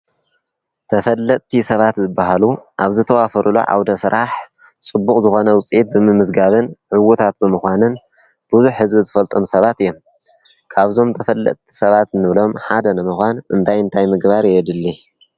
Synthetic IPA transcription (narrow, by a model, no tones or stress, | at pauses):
t̪ʰɐfɐlːɐt̪̚ʼt̪ʰisɐβat̪zɨbːaɦaluʔaβzɨt̪ʰɐwafɐɾʔulo̰ʕa̰wd̪ɐsɨɾʔaħ | t͡sʼɨbːukʼzɨxo̞nɐwʊt͡sʼet̪̚bɨmɨmɨzɡaβɨnʕɨwut̪ʰat̪̚bɨmɨxʷanɨn | b̥uzuħhɨzbizɨfɐlt̪ʼo̞msɐβat̪ɨjːo̞m | kʰaβzo̞mt̪ʰɐfɐlːɐ̰t̪̚ʼt̪ʰi̥sɐβat̪nːɨβlo̞mħad̪ɐnɨmɨxʷanʔɨnt̪ʰajɨnt̪ʰajmɨɡbaɾjɛd̪ɨlːi